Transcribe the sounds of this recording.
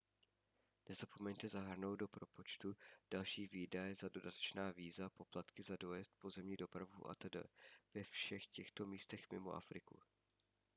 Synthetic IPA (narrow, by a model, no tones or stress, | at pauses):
nɛzapo̞mɛɲt̪ɛzaɦr̩nowddo̞pɾo̞po̞t͡ʃt̪ud̥alʃiːviːdajɛzado̞dat̪ɛ̥t͡ʃnaːviːzapo̞plat̪kɪzadojɛst̪̚po̞zɛmɲido̞pɾavṵʔa̰t̪ɛdɛ̰vɛfʃɛxcɛxt̪o̞miːst̪ɛxmɪ̰mo̞ʔa̰fɾɪkṵ